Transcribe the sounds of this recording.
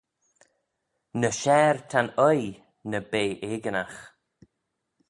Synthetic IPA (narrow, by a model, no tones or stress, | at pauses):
nəʃɛːɹt̪ʰanəj | nəbeːʔeːɡənax